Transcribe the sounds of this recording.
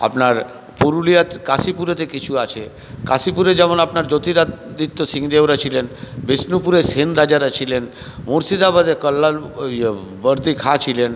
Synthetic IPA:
a̰pnaɾ | poɾulijat̪kasipuɾet̪ekit͡ɕʰuat͡ɕʰe | kasipuɾed͡ʑɛmonapnaɾd͡ʑot̪iɾad̪it̪ːosiŋd̪ewɾat͡ɕʰilenbesnupuɾesenɾad͡ʑaɾat͡ɕʰilen | moɾsid̪abad̪ekəlːal | bəɾd̪ikʰat͡ɕʰilen

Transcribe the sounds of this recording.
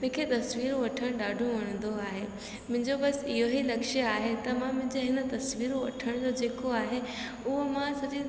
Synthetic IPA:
mʊ̃ːkʰet̪ɐsʋiːɾoʋɐʈʰəɽ̃ɗaːɖʱoʋɐɽ̃ə̃nd̪oaːɦe | mʊ̃ɦɪ̃ɲd͡ʑobɐsɪɦoɦilɐkʃəaːɦet̪ɐmãmʊ̃ɦɪ̃ɲd͡ʑoɦɪnə̆t̪ɐsʋiːɾoʋɐ̰ʈʰəɽ̃d͡ʑoːd͡ʑeːkoaːɦe | ʊɦomãsɐd͡ʑi

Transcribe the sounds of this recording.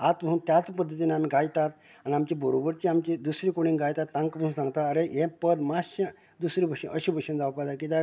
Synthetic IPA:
at̪bəuːnt̪jat͡spəd̪ʱːət̪̬ineamiːɡajt̪at̪aniamt͡ɕibʱəɾobəɾt͡ɕiamt͡ɕid̪usɾiːkoɽ̃iːnɡajt̪at̪ːãŋkbəũːnsãŋɡt̪aəɾejepəd̪maɕə | d̪usɾiːbʱəɕəʔəɕibʱəɕənd͡zaupad̪ak̬it̪a

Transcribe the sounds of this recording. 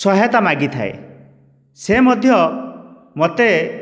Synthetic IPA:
sɔɦɔt̪amaɡit̪ʰa̰ḛ | semɔd̪ʱjɔ | mot̪e

